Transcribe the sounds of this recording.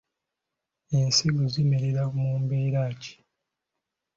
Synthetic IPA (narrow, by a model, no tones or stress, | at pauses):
ensiɡuzimeɾeɾamuːmbeːɾaːci̥